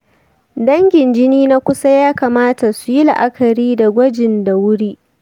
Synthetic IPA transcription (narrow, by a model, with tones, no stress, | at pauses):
dɐ˦ŋɡʲɪ˨nd͡ʒɪ˦niː˦na˦kʷʊ˦sa˦jaː˦kaː˨maː˦ta˨su˨ji˦la˨ʔa˦kʰɐ˨ɾiː˦da˨ɡʷɐ˦d͡ʒɪ˨nda˨wʊ˦ɽiː˦ʔ